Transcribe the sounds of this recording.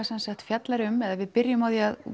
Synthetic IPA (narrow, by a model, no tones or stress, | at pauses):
sɛnsaxt̪fjat̪laɾʏmɛðavɪðpɪɾjɪmawðiað